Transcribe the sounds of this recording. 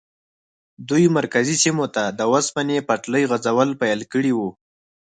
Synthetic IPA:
d̪ujmaɾkazisimot̪ad̪əwaspanepaʈləjɣazawəlpajəlkəɽiwu

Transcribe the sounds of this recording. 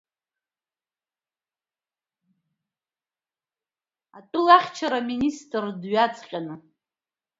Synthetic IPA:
atʼɨlaχʲt͡ʃʰaɾaministʼrdɥat͡sʰʼqʲʼanɨ

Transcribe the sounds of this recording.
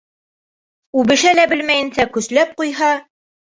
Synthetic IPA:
ʉbɘ̆ʃælæbɘlmæjɘ̆nsækɵ̆slæp̚qujɦɑ

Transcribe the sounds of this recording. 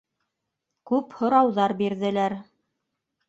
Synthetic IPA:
kʉphŏɾɑwðɑɾbiɾðɘ̆læɾ

